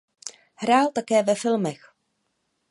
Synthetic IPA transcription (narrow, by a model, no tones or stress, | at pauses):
hɾaːlt̪akɛːvɛfɪlmɛx